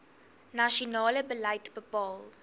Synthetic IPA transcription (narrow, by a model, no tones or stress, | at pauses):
naʃunɑːləbəlɐjtbəpɑːlˠ